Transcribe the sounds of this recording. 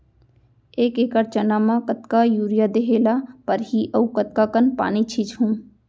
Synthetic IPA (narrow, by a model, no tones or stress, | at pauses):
eːkeːkəɾt͡ʃənaːmãkət̪kajuːɾijad̪eɦeːlapəɾɦiʔɐukət̪̚kakənpa̰ːnit͡ʃʰit͡ʃɦũː